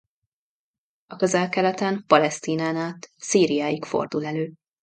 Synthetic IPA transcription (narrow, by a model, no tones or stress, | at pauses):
ɒkøzɛlkɛlɛt̪ɛmpɒlɛst̪iːnaːnaːt̪siːɾijaːjikfo̞̰rd̪ulɛløːp